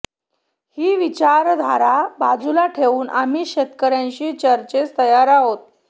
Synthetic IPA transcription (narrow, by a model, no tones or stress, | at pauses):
hiːʋit͡ɕaɾd̪ʱaɾabad͡zulaʈʰeʋuːnʔamiːɕet̪kəɾjãɲt͡ɕiːt͡ɕəɾt͡ɕet͡st̪əjaɾaɦot̪̚